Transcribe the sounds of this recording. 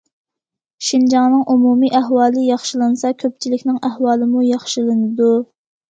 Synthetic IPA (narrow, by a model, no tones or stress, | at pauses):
ʃind͡ʒɑŋnɨŋʔumumiʔæɦwɑːlˠɨjɑχʃilˠɨnɨsɑkʲʰøp̚t͡ʃʰilɪkʲnɪŋæhwɑːlˠɨmujɑχʃilˠɨnɨd̪u